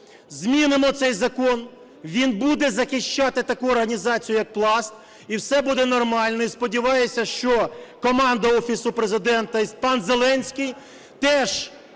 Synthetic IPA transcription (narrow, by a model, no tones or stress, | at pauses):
zʲmʲinɪmɔt̪sɛjzɐkɔn | ʋʲinbud̪ɛzɐxɪʃt͡ʃɑt̪ɪt̪ɐkuɔrɦɐnʲizɑt͡sʲijʊjɐk̚plˠɑst̪̚ | iwsɛbud̪ɛnɔrmɑlʲnɔispɔdʲiʋɑjesʲɐʃt͡ʃɔkɔmɑnd̪ɐɔfʲisʊpɾezɪd̪ɛnt̪ɐispɑnzelˠɛnʲsʲkɪj | t̪ɛʒ